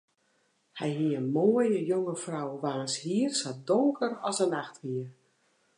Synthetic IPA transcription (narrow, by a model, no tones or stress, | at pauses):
hɛjɦiəənmoːəjəjoŋəfrawʋaːnshiərsadoŋkʰərɔsənaxtʋiər